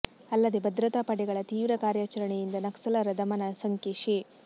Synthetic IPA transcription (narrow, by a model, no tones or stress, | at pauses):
ɐlːɐd̪ebɐd̪ɾɐt̪apɐɽɛɡɐɭɐt̪iːʋɾɐkaːɾjaːt͡ʃɐɾɐɳejind̪ɐnɐksɐlɐɾɐd̪ɐmɐnɐsɐŋkeʃeː